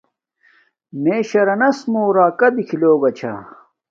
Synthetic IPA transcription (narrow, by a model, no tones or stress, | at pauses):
meːɕɐɾɐnɐsmoːɾaːkɐd̪ikʰiloːbɐt͡ɕʰa̰